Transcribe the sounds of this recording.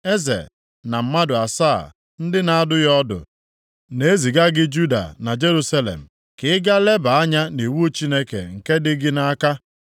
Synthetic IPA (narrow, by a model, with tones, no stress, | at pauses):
e˦zḛ˨ | na˨m̩˦ma˦dʊ˨a˨sa˦˨ | n̩˦dɪ˦na˨a˦dʊ˦jɔ˦dʊ̰˨ | ne˨e˦zi˨ɡa˦ɡɪ˦d͡ʒu˦da̰˨na˨d͡ʒe˦ɾu˦sa˦lḛ˨m̩˨ | kɪ˦ɪ˦ɡa˦le˦ba˨a˦ɲa˦ne˨wu˦o˦t͡ʃi˦ne˦kḛ˨ŋ̩˨ke˦dɪ˦ɡɪ˦na˦ka˦